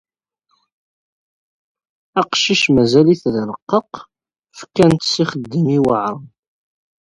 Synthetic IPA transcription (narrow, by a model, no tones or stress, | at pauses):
æqʃiʃmæzæliθðələqːəq | fkːænt̪siχəd̪ːəmiwəʕə